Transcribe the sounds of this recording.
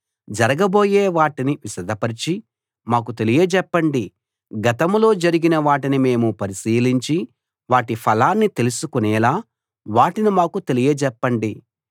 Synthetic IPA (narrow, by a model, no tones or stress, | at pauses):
d͡ʒɐɾɐɡɐbo̞ːjeːʋaːʈiniʋiʃɐd̪ɐpɐɾit͡ʃi | maːkut̪e̞lijed͡ʒɛpːɐɳɖi | ɡɐt̪ɐmlo̞ːd͡ʒɐɾiɡinɐʋaːʈinime̞ːmupɐɾisiːliɲt͡ʃi | ʋaːʈipʰɐlaːnːit̪e̞lusukunɛːlaː | ʋaːʈinimaːkut̪e̞lijɐd͡ʒɛpːɐɳɖi